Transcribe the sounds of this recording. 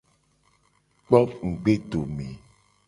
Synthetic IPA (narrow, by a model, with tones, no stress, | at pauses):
k͡pɔ˦ŋ̩˨ɡ͡be˦ɖo˨me˨